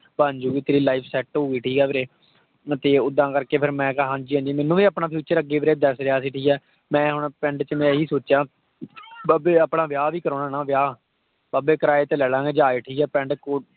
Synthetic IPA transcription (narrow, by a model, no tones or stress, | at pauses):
paːɲd͡ʒuːɡiːt̪eːɾiːlaːiːpʰsɛːʈɦoːiːʈʰiːkɛːʋɾeː | t̪eːʊd̪ãːkəɾkeːpʰɪɾmɛ̃ːkːɦãːnd͡ʒiːɦãːd͡ʒiːmɛːnũːʋiːəpɳaːpʰjuːt͡ʃəɾəɡeːbɾeːd̪əsɾeaːsiːʈʰiːkɛː | mɛ̃ːɦʊɳpɛ̃ɳɖt͡ʃəmɛ̃ːɦiːsoːt͡ʃjãː | baːbeːapɽãːʋjaːʋiːkəɾoːnaːnãːʋjaː | baːbeːkəɾaːeːt̪eːlɛːɽãːɡeːd͡ʒaːeːʈʰiːkɛːpɛ̃ɳɖko